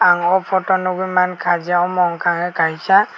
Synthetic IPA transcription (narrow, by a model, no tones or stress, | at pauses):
aŋɔpʰɔtɔnuɡumankʰazaɔmɔŋkʰaŋɛkaisa